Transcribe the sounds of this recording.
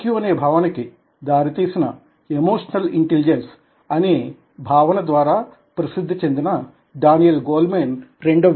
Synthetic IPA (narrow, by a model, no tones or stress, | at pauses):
kjuɐneːbʱaːʋɐniki | d̪aːɾit̪iːsinɐ | emoːʂɐnɐliɳʈelid͡ʒens | ɐneː | bʱaːʋɐnɐd̪ʋaːɾaː | pɾɐsid̪ʱːit͡ʃe̞nd̪inɐ | ɖaːnijɐlɡoːlmeːnɾe̞ɳɖo